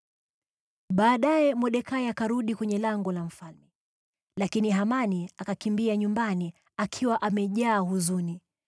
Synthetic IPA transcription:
ɓaːɗajɛmɔɗɛkajakaɾuɗikwɛɲɛlaŋɡɔlam̩falmɛ | lakiniɦamaniakakimbiaɲumbani | akʰiwaʔamɛʄaːhuzuni

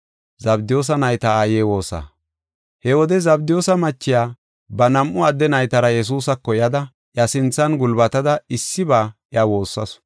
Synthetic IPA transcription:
zɐbd̪ɪjo̞ːs̬ɐnɐjt̪ɐaːjeːwo̞ːsa̰ | hɛwɔd̪ɛzɐbd̪ɪjo̞ːsɐmɐt͡ʃːɪjaː | bɐnɐmʔʊɐd̪ːɛnɐjt̪ɐɾɐjɛs̬uːsɐkːɔjɐd̪ɐ | ʔjɐsɪnt͡sːɐnɡʊlbɐt̪ɐd̪ɐɪsːɪbaːʔjɐwo̞ːsːɐs

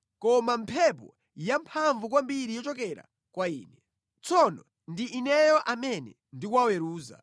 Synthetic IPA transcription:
kɔmampʰɛp̬ɔ | jampʰaɱvukwambiɾijɔt͡ʃɔkɛɾa̰ | kwaiːnɛ | t͡sʰɔnɔ | ndiʔːnɛjɔʔamɛnɛ | ndik̬wawɛɾuːza̰

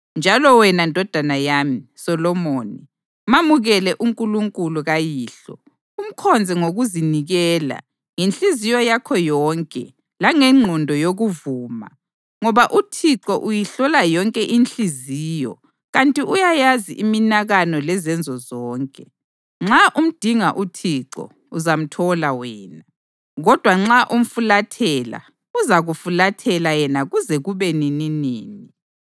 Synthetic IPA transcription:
nd͡ʒʱalɔwɛnandʱɔd̥ʱanajamisɔlɔmoːni | mamuɣɛlɛʔuŋkʼuluŋkʼuluɣajiːɬɔ̰ | um̩kʰɔnd͡zʱɛŋoɣuziniɣɛːla̰ | ŋenɬizijɔjakʰɔjɔːŋkʼɛ̰ | laŋɛŋ͡ǁʱɔndʱɔjoɣuvuːma̰ | ŋɔβaʔutʰiǁɔʔujiɬɔlajɔŋkʼɛʔinɬiziːjɔ̰ | ɣantʼiʔujajazḭʔiminaɣanɔlɛzɛnd͡zʱɔzɔːŋkʼɛ | ŋ͡ǁaʔum̩d̥ʱiŋaʔutʰiǁɔ̰ | uzam̩tʰɔlawɛːna | ɣɔd̥ʱwaŋ͡ǁaʔum̩fulatʰɛla̰ | uzaɣufulatʰɛlajɛnaɣuzɛɣuβɛnininiːni

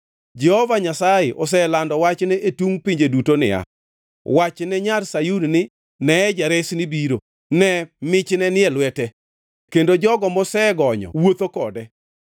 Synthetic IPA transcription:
d͡ʒɛhovaɲasajeʔɔs̬ɛlandɔwat͡ʃnɛʔetuŋpiɲd͡ʒedutonɪ̰a̰ | wat͡ʃnɛɲarsajunnɪ | nɛɛd͡ʒaɾesnɪbiɾo | nɛmɪt͡ʃnɛnɪɛlwɛtɛ | kendod͡ʒɔɡɔmɔsɛɡɔɲɔ̰wot̪okɔdɛ

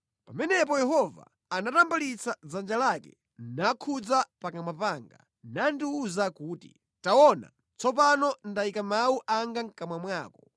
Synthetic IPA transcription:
pamɛnɛp̬ɔjɛhɔva̰ | anatambalit͡sad͡zand͡ʒalakɛ̰ | nakʰud͡zapakamapaːŋɡa̰ | nandiuzakuːtḭ | taɔna̰ | t͡sɔp̬anɔndaikamawuʔaŋɡaŋkamwamwaːkɔ

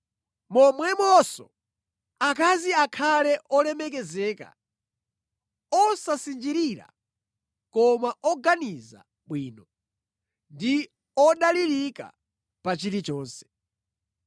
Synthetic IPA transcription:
mɔmwɛmɔsɔ̰ | akaziakʰalɛʔɔlɛmɛk̬ɛzɛːka̰ | ɔsasind͡ʒiɾiɾa̰ | kɔmaʔɔɡaniza̰ | ɓwiːnɔ | ndi | ɔɗaliɾika̰ | pat͡ʃiɾit͡ʃɔːnsɛ̥

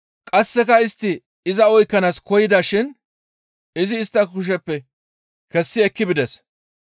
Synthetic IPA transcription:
kʼɐsːɛkɐɪst̪ːɪ | ɪzɐɔjkːɐnaːskɔjɪd̪aːʃɪn | ɪzɪːst̪ːɐkʊʃ̬ɛpːɛ | kɛsːɪɛkːɪbɪd̪ɛs

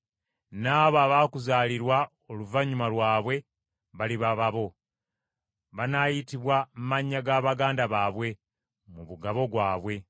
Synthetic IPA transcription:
naːβaβaːkuzaːliɾwa | oluvaɲumalwaːβwe̞ | βaliβaβaβo̞ | βanajitiβwammaɲːaɡaːβaɡaːndaβaːβwe̞ | muβuɡaβo̞ɡwaːβwe̞

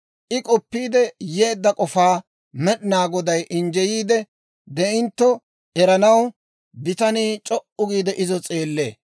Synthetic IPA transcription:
ʔɪkʼɔpːiːd̪ɛjeːd̪ːɐkʼɔfaː | mɛɗɪnaːɡɔd̪ɐjʔɪnd͡ʒɛjiːd̪ɛ | d̪ɛʔɪnt̪ːɔ | ɛɾɐnɐw | bɪt̪ɐniːt͡ʃʼɔʔʊɡiːd̪ɛʔɪzɔt͡sʼe̞ːlːe̞̰ː

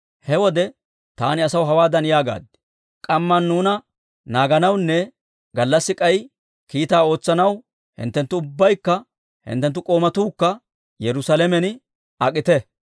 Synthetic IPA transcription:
hɛwɔd̪ɛ | t̪a̰ːnɪɐsɐwɦɐwaːd̪ɐnjaːɡa̰ːd̪ːɛ̥ | kʼɐmːɐnːuːnɐ | naːɡɐnɐwnːɛ | ɡɐlːɐsːɪkʼɐj | kiːt̪aːo̞ːt͡sːɐnɐw | hɪ̰nt̪ːɛnt̪ːʊʊbːɐjkːɐ | hɪ̰nt̪ːɛnt̪ːʊkʼo̞ːmɐt̪uːkːɐ | jɛɾʊsalɛmɛn | ɐkʼɪt̪ɛ

